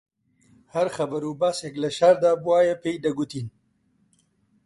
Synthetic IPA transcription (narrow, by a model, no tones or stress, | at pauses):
haɾxɐbɐɾubaseɡlɐʃaɾd̪abwaːjapejd̪ɐɡut̪in